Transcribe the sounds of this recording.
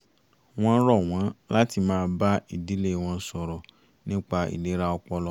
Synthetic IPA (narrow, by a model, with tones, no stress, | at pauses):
w̃ɔ̃˧˦ɾɔ˦˨w̃ɔ̃˨˦la˦ti˧mãː˦˧ba˦ḭ˦˨di˨˦le˦˨w̃ɔ̃˧˦sɔ˧ɾɔ˨ | nĩ˦k͡pa˧ḭ˨le˨˦ɾa˦ɔ˧k͡pɔ˧lɔ˧˦